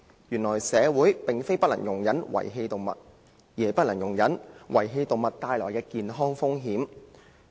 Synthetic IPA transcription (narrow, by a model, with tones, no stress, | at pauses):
jyː˨˩nlɔː˨˩jsɛː˨˧wuː˨˥jpɪ˨ŋfe˥jpɐ˥t̚lɐ˨˩ŋjʊ˨˩ŋjɐ˨˥nwɐ̰˨˩jɦe˧jt̪o˨wmɐ̰˨t̚ | jiː˨˩e˨jpɐ˥t̚lɐ˨˩ŋjʊ˨˩ŋjɐ˨˥nwʔɐ˨˩jɦe˧jt̪o˨˧wmɐ˨˩t̚t̪aː˧jlɔ̰ː˨˩jkɛː˧kiː˨nɦɔː˥ŋfʊ˥ŋɦiː˨˥m